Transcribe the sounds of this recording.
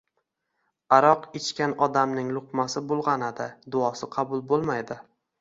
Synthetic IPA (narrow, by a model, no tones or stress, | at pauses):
aɾɒqet͡ʃkʲanɒd̪amnɪŋlˠʊqmasɪbolˠʁɑnad̪ɪd̪ʊɒsɪqʰɑbʊlˠbolˠmajd̪ɪ